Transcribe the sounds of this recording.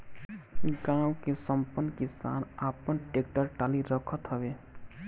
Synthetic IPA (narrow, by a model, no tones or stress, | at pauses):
ɡãwkesəmpənːkisa̰napənʈek̚ʈəɾʈaliɾəkʰət̪ɦəbe